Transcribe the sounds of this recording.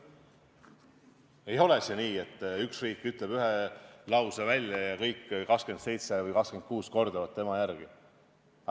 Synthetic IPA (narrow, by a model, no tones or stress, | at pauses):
e̞jo̞leseniːe̞t̪ːyksriːkːˑyt̪ˑle̞b̥yɦelɑwsevælʲjɑjɑkɤjkːkɑkske̞nd̪se̞jt̪se̞vɤjkɑkske̞n̚kuːsko̞rd̪ɑvɑt̪ːe̞mɑjærɡ̥i